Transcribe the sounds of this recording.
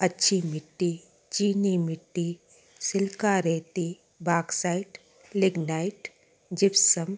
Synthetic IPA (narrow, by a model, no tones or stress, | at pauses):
ɐtːʃʰimɪʈːi | t͡ʃiːnimɪʈːi | sɪlkaɾet̪i | baːksaːɪʈ | lɪɡnaːɪʈ | d͡ʒɪpsəm